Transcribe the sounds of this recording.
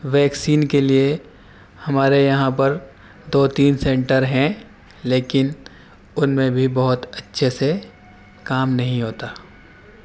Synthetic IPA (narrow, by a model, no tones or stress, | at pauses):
ʋɛːksiːnkelie | hɐmaːɾejɐɦãpɐɾ | d̪oːt̪iːnsɛ̃ːɳʈəɾɦɛ̃ | leːkɪn | ʊnmẽbʱibɐɦʊt̪ɐtːʃʰese | kaːmnɐɦĩɦoːt̪aː